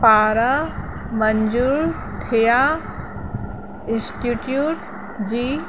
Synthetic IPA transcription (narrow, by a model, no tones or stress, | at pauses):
paːɾa | mɐɲd͡ʒuːɾ | t̪ʰeja | ɪ̃nsʈiʈjuːʈ | d͡ʑiː